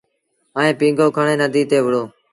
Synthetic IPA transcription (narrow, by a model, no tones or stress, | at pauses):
əẽːpĩːŋɡʱoːkʰəɳẽːnəd̪ʱiːt̪eːʋəɽoː